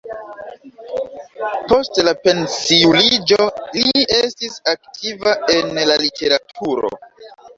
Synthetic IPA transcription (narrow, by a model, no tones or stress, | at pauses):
po̞stlape̞nsiulid͡ʒolie̞stisaktʰivae̞nlalitʰe̞ɾatʰuɾo̞̰